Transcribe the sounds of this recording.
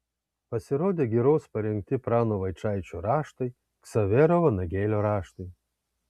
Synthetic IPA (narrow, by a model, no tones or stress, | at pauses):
pɐsʲɪɾoːd̪ʲeːɡʲiɾoːspɐɾʲɛŋʲk̚t̪ʲɪpɾɑːnoʋɐɪt͡ʃɑˑɪt͡ʃʲuɾɑːʃt̪ɐɪ | ksɐʋʲeːɾoʋɐnɐɡʲeːlʲoːɾɑːʃt̪ɐɪ